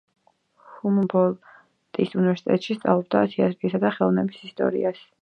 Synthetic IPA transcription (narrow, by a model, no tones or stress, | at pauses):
humbɔlˠ | t̪ʼisunivɛɾsi̥t̪ʼɛt̪ʼʃist̪sʼa̰vlˠɔb̚d̪a̰t̪ʰiat̪ʼɾiisad̪aχɛlˠɔvnɛbisist̪ʼɔ̰ɾḭas